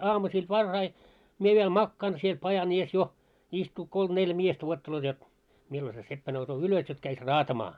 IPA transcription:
ɑːmusiːl ʋɑrːɑi mie ʋiel mɑkːɑːn siel pɑjɑn ies jo istuː kolm neljæ miestæ wuotːeloːt jot milːo se sepːæ nousoː ylos jot kæis rɑːtɑmɑː

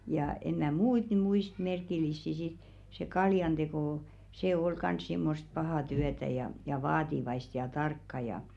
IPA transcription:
jɑˑ en mæˑ muit ny muist merkilˑisːi sit se kɑljɑnd̥eko se ol kɑns simːost pɑhɑˑ tyætæ jɑ jɑ ʋɑːtiʋɑist jɑ tɑrkːɑ jɑ

